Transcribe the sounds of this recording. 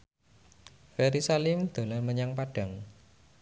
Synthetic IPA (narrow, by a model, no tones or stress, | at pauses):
fɛɾisalimd̪̥a̤lanməɲaŋpaɖ̥a̤ŋ